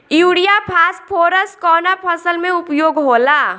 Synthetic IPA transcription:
juːɽijapʰaːspʰoːɾəskɔːnapʰəsəlmẽʊpjoːɡɦoːlaː

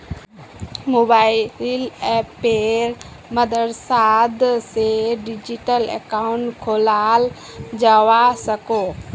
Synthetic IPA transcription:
mobaɪlɛpeɾ | məd̪əɾsad̪seɖid͡ʒiʈəlḛkaʊɳʈkʰolal | d͡ʒaʋasəko

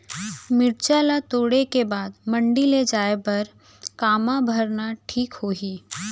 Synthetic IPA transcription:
mɪɽt͡ʃalat̪oːɽekebaːd̪mə̃ɳɖiled͡ʒaːepɐɾ | kaːmãbʱɐɾnaʈʰiːkhoːɦiː

